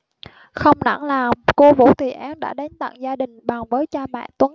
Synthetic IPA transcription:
xə˧wŋ͡mna̰˧˩ŋlaː˨˩mko˧vṵ˧˥t̪ʰi˨˩ʔaː˨˦nɗa̰ː˧˥ɗa˨˦jŋ̟t̪a̰˧˨ŋzaː˧ɗï˨˩ŋ̟ɓa˨˩ŋvəː˨˦jt͡ɕaː˧mɛ̰ː˧˨nt̪wə˨˦

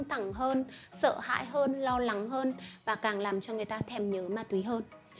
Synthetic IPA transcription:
ŋt̪ʰa˧˩ŋɦəː˧nsə̰ː˧˨ha̰ː˧˥jɦəː˧nlɔ˧la˨˦ŋɦəː˧nvaː˨˩kaː˨˩ŋlaː˨˩mt͡ɕɔ˧ŋɨ˨˩jt̪aː˧t̪ʰɛ˧˩mɲəː˨˦maː˨˩t̪wi˨˦ɦəː˧n

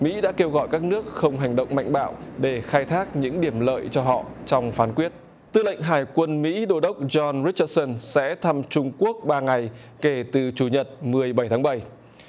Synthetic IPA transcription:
mḭ˧˥ɗa̰ː˧˥ke˧wɣɔ̰˧˨jkaː˦˥k̚nɨ˦˥ək̚xə˧wŋ͡mɦa˨˩jŋ̟ɗə̰˧˨wŋ͡mma̰˧˨jŋ̟ɓa̰ː˧˨wɗe˧˩xaː˧jt̪ʰaː˦˥k̚ɲɨ̰˧˥ŋɗi˧˩əmlə̰ː˧˨jt͡ɕɔ˧ɦɔ̰˧˨t͡ɕɔ˧wŋ͡mfaː˨˦nkwi˦˥ət̚ | t̪ɨ˧la̰˧˨jŋ̟ɦaː˨˩jkwə˧nmḭ˧˥ɗo˧ɗə˦˥wk͡p̚zɔ˧nɹi˦˥t͡ɕə˧t̚sə˧nsɛ̰˧˥t̪ʰa˧mt͡ɕʊ˧ŋ͡mku˦˥ək̚ɓaː˧ŋa˨˩j | ke˧˩t̪ɨ˨˩t͡ɕu˧˩ɲə˨˩t̚mɨ˨˩əjɓə˧˩jt̪ʰaː˨˦ŋɓə˧˩j

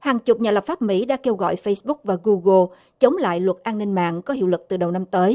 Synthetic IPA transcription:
haː˨˩ŋt͡ɕʊ˨˩k͡p̚ɲaː˨˩lə˨˩p̚faː˦˥p̚mḭ˧˥ɗa̰ː˧˥ke˧wɣɔ̰˧˨jfə˧jsɓʊ˦˥k̚vaː˨˩ɣu˧ɣə˧ | t͡ɕə˨˦wŋ͡mla̰ː˧˨jlwə˨˩t̚ʔaː˧nːï˧ŋ̟ma̰ː˧˨ŋkɔ˨˦ɦi˧˨wlɨ˨˩k̚t̪ɨ˨˩ɗə˨˩wna˧mt̪əː˨˦j

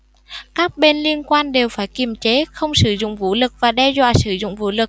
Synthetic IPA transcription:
kaː˦˥k̚ɓe˧nli˧ənkwaː˧nɗe˨˩wfaː˧˩jki˨˩mt͡ɕe˨˦xə˧wŋ͡msɨ˧˩zʊ̰˧˨ŋ͡mvu˨˦lɨ˨˩k̚vaː˨˩ɗɛ˧zwa̰ː˧˨sɨ˧˩zʊ̰˧˨ŋ͡mvu˨˦lɨ˨˩k̚

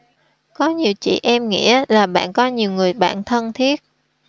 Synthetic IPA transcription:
kɔ˨˦ɲi˨˩əwt͡ɕḭ˧˨ʔɛ˧mŋḭ˧˥əlaː˨˩ɓa̰ː˧˨nkɔ˨˦ɲi˨˩əwŋɨ˨˩əjɓa̰ː˧˨nt̪ʰə˧nt̪ʰi˦˥ət̚

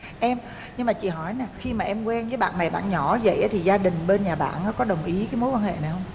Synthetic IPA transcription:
ʔɛ˧m | ɲɨ˧ŋmaː˨˩t͡ɕḭ˧˨ɦɔ˧˩jnaː˨˩xi˧maː˨˩ʔɛ˧mkwɛ˧nvəː˨˦jɓa̰ː˧˨nːa˨˩jɓa̰ː˧˨nɲɔ˧˩zə̰˧˨jʔaː˨˦t̪ʰi˨˩zaː˧ɗï˨˩ŋ̟ɓe˧nɲaː˨˩ɓa̰ː˧˨nːa˨˦kɔ˨˦ɗə˨˩wŋ͡mʔi˨˦kaː˨˦jmo˨˦jkwaː˧nhḛ˧˨na˨˩jhə˧w

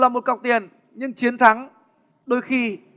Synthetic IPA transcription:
laː˨˩mo˨˩t̚ka˨˩w̚k͡p̚t̪i˨˩ən | ɲɨ˧ŋt͡ɕi˨˦ənt̪ʰa˨˦ŋ | ɗo˨˧˦jxi˧

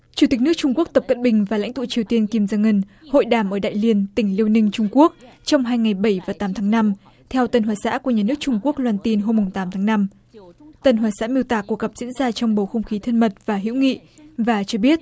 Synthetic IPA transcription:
t͡ɕu˧˩t̪i˨˩k̟̚nɨ˦˥ək̚t͡ɕʊ˧ŋ͡mku˦˥ək̚t̪ə˨˩p̚kə̰˧˨nɓï˨˩ŋ̟vaː˨˩la̰˧˥jŋ̟t̪ṵ˧˨t͡ɕi˨˩əwt̪i˧ənki˧mzaː˧ŋə˧n | ho̰˧˨jɗaː˧˩mʔəː˧˩ɗa̰ː˧˨jli˧ənt̪ï˧˩ŋ̟li˧əwnï˧ŋ̟t͡ɕʊ˧ŋ͡mku˦˥ək̚t͡ɕɔ˧wŋ͡mɦaː˧jŋa˨˩jɓə˧˩jvaː˨˩t̪aː˨˦mt̪ʰaː˨˦ŋna˧m | t̪ʰɛ˧wt̪ə˨˩nhwaː˨˩sa̰ː˧˥ku˧˩əɲaː˨˩nɨ˦˥ək̚t͡ɕʊ˧ŋ͡mku˦˥ək̚lwaː˧nt̪i˧nɦo˧mːʊ˨˩ŋ͡mt̪aː˨˦mt̪ʰaː˨˦ŋna˧m | t̪ə˧˩nhwaː˨˩sa̰ː˧˥mi˧əwt̪aː˧˨˩kːu˧˩ək̚ɣə˨˩p̚zḭ˧˥ənzaː˧t͡ɕɔ˧wŋ͡mɓo˨˩xə˧wŋ͡mxi˨˦t̪ʰə˧nmə˨˩t̚v̥aː˨˩ɦḭ˧˥wŋḭ˧˨vaː˨˩t͡ɕɔ˧ɓi˦˥ət̚

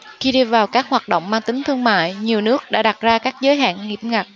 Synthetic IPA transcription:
xi˧ɗi˧vaː˨˩wkaː˦˥k̚hwaː˨˩t̚ɗo̰˧˨wŋ͡mmaː˧ŋt̪ï˨˦ŋ̟t̪ʰɨ˧əŋma̰ː˧˨jɲi˨˩əwnɨ˦˥ək̚ɗa̰ː˧˥ɗa˨˩t̚zaː˧kaː˦˥k̚zəː˨˦jɦa̰ː˧˨nhi˨˩p̚ŋa˨˩t̚

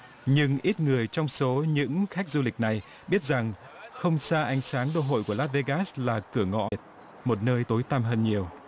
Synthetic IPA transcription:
ɲɨ˧ŋʔi˦˥t̚ŋɨ˨˩əjt͡ɕɔ˧wŋ͡mso˨˦ɲɨ̰˧˥ŋxa˦˥k̚zu˧lï˨˩k̟̚na˨˩j | ɓi˦˥ət̚za˨˩ŋ | xə˧wŋ͡msaː˧ʔa˨˦jŋ̟saː˨˦ŋɗo̰˧ɦo̰˧˨jku˧˩əlaː˦˥t̚ve˧ɣaː˦˥slaː˨˩kɨ˧˩əŋɔ̰˧˨t̚ | mo˨˩t̚nəː˧jt̪o˨˦jt̪aː˧mɦəː˧nɲi˨˩əw

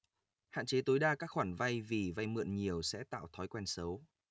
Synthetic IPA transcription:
ha̰ː˧˨nt͡ɕe˨˦t̪o˨˦jɗaː˧kaː˦˥k̚xwaː˧˩nva˧jvi˨˩va˧jmɨ̰˧˨ənɲi˨˩əwsɛ̰˧˥t̪a̰ː˧˨wt̪ʰɔ˨˦jkwɛ˧nsə˨˦w

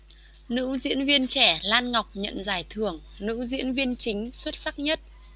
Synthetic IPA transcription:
nɨ̰˧˥zḭ˧˥ənvi˧ənt͡ɕɛ˧˩laː˧nŋa˨˩wk͡p̚ɲə̰˧˨nzaː˧˩jt̪ʰɨ˨˩əŋnɨ̰˧˥zḭ˧˥ənvi˧ənt͡ɕï˨˦ŋ̟swə˦˥t̚sa˦˥k̚ɲə˦˥t̚

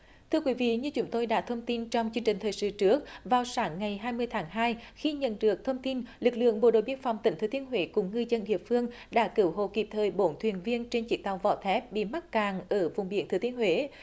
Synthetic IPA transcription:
t̪ʰɨ˧əkwi˨˦vḭ˧˨ɲɨ˧t͡ɕʊ˨˦ŋ͡mt̪o˧jɗa̰ː˧˥t̪ʰə˧wŋ͡mt̪i˧nt͡ɕɔ˧wŋ͡mt͡ɕɨ˧əŋt͡ɕï˨˩ŋ̟t̪ʰəː˨˩jsɨ̰˧˩t͡ɕɨ˦˥ək̚vaː˨˩wsaː˨˦ŋːa˨˩jɦaː˧jmɨ˧əjt̪ʰaː˨˦ŋɦaː˧jxi˧ɲə̰˧˨nɗɨ˨˩ək̚t̪ʰə˧wŋ͡mt̪i˧nlɨ˨˩k̚lɨ̰˧˨əŋɓo̰˧˨ɗo̰˧˨jɓi˧ənfa˨˩wŋ͡mt̪ï˧˩ŋ̟t̪ʰɨ˧˩˦t̪i˨˦ənɦwe˧˦kʊ˨˧˦ŋ͡mŋɨ˧zə˧nɗḭ˧˨əfɨ˧əŋ | ɗa̰ː˧˥kɨ˧˩˦wɦo̰˧˨ki˨˩p̚t̪ʰəː˨˩jɓo˨˦nt̪ʰwi˨˩ənvi˧ənt͡ɕe˧nt͡ɕḭ˧˦t̪a˨˩wvɔ̰˧˩t̪ʰɛ˦˥p̚ɓḭ˧˨ma˦˥t̚kaː˨˩ŋʔəː˧˩vʊ̰˨˩ŋ͡mɓḭ˧˥ənt̪ʰɨ˧˦t̪i˧˦ənhɦwe˧˦

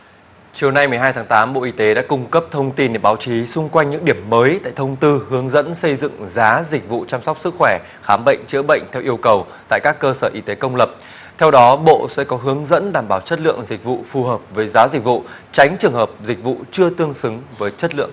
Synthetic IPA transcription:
t͡ɕi˨˩əwna˧jm˨˩əɦaː˧jt̪ʰaː˨˦ŋt̪aː˨˦mɓo̰˧˨ʔi˧t̪e˨˦ɗa̰ː˧˥kʊ˧ŋ͡mkə˦˥p̚t̪ʰə˧wŋ͡mt̪i˧nɗe˧˩ɓaː˨˦wt͡ɕi˨˦sʊ˧ŋ͡mkwa˧jŋɲɨ̰˧˥ŋɗi˧˩əmːəː˨˦jt̪a̰ː˧˨jt̪ʰə˧wŋ͡mt̪ɨ˧hɨ˨˦əŋzə̰˧˥nsə˧jzɨ̰˧˨ŋzaː˨˦zï˨˩k̟̚vṵ˧˨t͡ɕaː˧mswk͡p̚sɨ˦˥k̚xwɛ˧˩ | xaː˨˦mɓə̰˧˨jŋ̟t͡ɕɨ̰˧˥ɓə̰˧˨jŋ̟t̪ʰɛ˧wʔi˧əwkə˨˩wt̪a̰ː˧˨jkaː˦˥kːəː˧səː˧˩ʔi˧t̪e˨˦kə˧wŋ͡mlə˨˩p̚ | t̪ʰɛ˧wɗɔ˨˦ɓo̰˧˨sɛ̰˧˥kɔ˨˦ɦɨ˨˦əŋzə̰˧˥nɗaː˨˩mɓaː˧˩wt͡ɕə˦˥t̚lɨ̰˧˨əŋzï˨˩k̟̚vṵ˧˨fu˨˩ɦəː˨˩p̚vəː˨˦jzaː˨˦zi˨˩k̟̚vṵ˧˨ | t͡ɕa˨˦jŋ̟t͡ɕɨ˨˩əŋhəː˨˩p̚zï˨˩k̟̚vṵ˧˨t͡ɕɨ˧ət̪ɨ˧əŋsɨ˨˦ŋvəː˨˦jt͡ɕə˦˥t̚lɨ̰˧˨əŋ

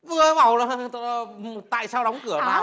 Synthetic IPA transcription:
vɨ˧˩əma˨˩wla˨˩˧t̪a̰ː˧˨jsaː˧wɗɔ˨˦wŋ͡mkɨ˧˩ə˩taː˨˦

